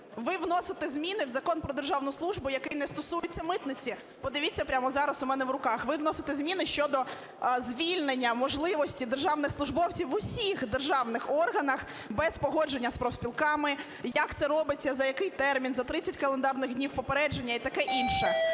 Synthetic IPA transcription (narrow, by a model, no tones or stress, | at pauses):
ʋɪʋnɔsɪt̪ɪzʲmʲinɪwzɐkɔnpɾɔd̪e̞rʒɑwnʊjʊslˠuʒbʊjɐkɪjnɛst̪ɔsujʊt͡sʲːɐmɪt̪nɪt͡sʲi | pɔd̪ɪʋʲit͡sʲːɐpɾʲamɔzɑɾɐsʊmɛnɛʋɾʊkɑxʋɪwnɔsɪ̥t̪ɛzmʲinɪʃt͡ʃɔd̪ɔ | zʲʋʲilʲnenʲːɐmɔʒlˠɪʋɔsʲtʲid̪e̞rʒɑwnɪxslˠʊʒbɔwt͡sʲiwʋʊsʲixd̪erʒɑwnɪxɔrɦɐnɐx | bɛspɔɦɔd͡ʒe̞nʲːɐspɾɔwsʲpʲilˠkɑmɪ | jɐkt̪sɛɾɔbɪt͡sʲːɐzɐjɐkɪjt̪ɛrmʲinzɐt̪ɾɪt͡sʲɐtʲkɐlˠend̪ɑrnɪxdʲnʲiwpɔpeɾɛd͡ʒe̞nʲːɐit̪ɐkɛʔinʃɛ